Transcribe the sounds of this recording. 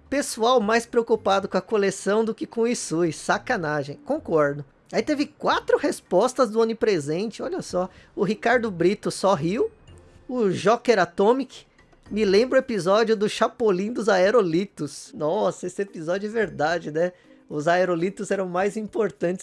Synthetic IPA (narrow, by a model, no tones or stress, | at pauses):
pesuawmajspɾeokupad̪ʊkõɐkolesɐ̃w̃d̪ʊkɪkõisujssakɐnaʒẽj̃kõkɔɾd̪ʊ | ait̪evɪkwat̪ɾʊhespɔst̪ɐzd̪ʊõnɪpɾezẽnt͡ʃɪɔʎɐsɔ | ʊɦikaɾd̪ʊbɾit̪ʊsoɦiw | ʊʒɔkeɾat̪õmikɪ̥ | mɪlẽmbɾʊepizɔd͡ʒjʊd̪ʊʃapolĩd̪ʊzaeɾolit̪ʊsnɔsɐesɪepizɔd͡ʒʊɛveɾd̪ad͡ʒɪnɛ | ʊzaeɾolit̪ʊzɛɾɐ̃w̃majzĩpoɾt̪ɐ̃nt͡ʃ̪ɪ̥s